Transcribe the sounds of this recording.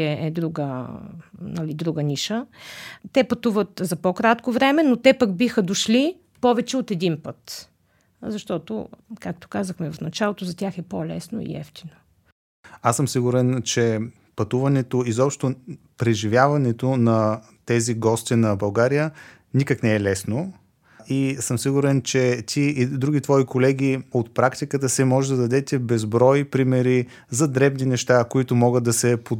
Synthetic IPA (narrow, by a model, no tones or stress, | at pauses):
ɛʔɛd̪ɾuɡə | nɐlid̪ɾuɡənʲiʃət̪ɛpɐt̪uvət̪zɐpokɾat̪kovɾɛmɛnot̪ɛpəɡbixəd̪oʃli | pɔvɛt͡ʃɛot̪ɛd̪inpɤt̪ | zɐʃt̪ɔt̪o̰kak̚t̪o̥kazəxmɛvɐfnɐt͡ʃalˠot̪ozɐt̪ʲjaxɛpolɛ̰sno̰ḭɛ̰ft̪i̥no | asːəmsiɡuɾɛnt͡ʃɛ | pɐt̪uvɐnɛt̪oizɔpʃt̪o | pɾɛʒivʲjavɐnɛt̪onɐ | t̪ɛziɡɔst̪inɐbɐlˠɡaɾijə | nikəknɛɛlɛsno | isəmsiɡuɾɛnt͡ʃɛt̪ʲʰiːd̪ɾuɡ̟it̪vɔikolɛɡ̟iot̪̚pɾakt̪ikət̪əsɛmɔʒɛd̪ɐd̪ɐd̪ɛt̪ɛbɛzbɾɔjpɾimɛɾi | zɐd̪ɾɛbninɛʃt̪akoit̪ʊmɔɡət̪̚d̪ɐsɛpo